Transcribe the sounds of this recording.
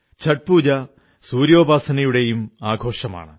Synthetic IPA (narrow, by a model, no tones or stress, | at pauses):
t͡ɕʰɐʈ̚puːd͡ʑɐ | suːɾjo̞ːbʱaːsɐnɐjuɽe̞jumaːɡʱo̞ːʂɐma̰ːɳɨ